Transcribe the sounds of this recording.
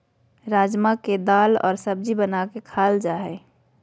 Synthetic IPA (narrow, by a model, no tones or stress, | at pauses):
ɾaːd͡ʒmaked̪aːlɔ̰ːɾsəb̚d͡ʒibənakekʰaːld͡ʒaːɦɛː